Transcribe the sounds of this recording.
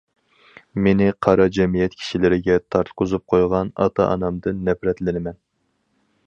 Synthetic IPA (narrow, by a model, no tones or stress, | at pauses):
menɪqʰɑɾɑd͡ʒɛmijɛt̪̚kʲʰi̥ʃilɪɾɪɡʲɛt̪ʰɑɾt̪qʰʊzup̚qʰojʁɑnɑ̰t̪ʰɑ̰ʔɑ̰nɑmd̪ɨnːɛfɾɛt̪lɪnɪmɛn